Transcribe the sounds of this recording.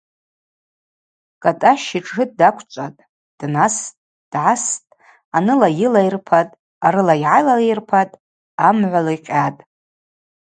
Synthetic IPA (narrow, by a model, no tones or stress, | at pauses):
kʼatʼaʃiʈ͡ʂʰʼːɨt̚ʼdakʷʰt͡ʃʷʼatʼ | d̥nastʼ | d̥ʕastʼ | anɨlajɪlajrpʰatʼ | aɾɨlaiʕajlalejrpʰatʼ | amʕʷalajqʲʼatʼ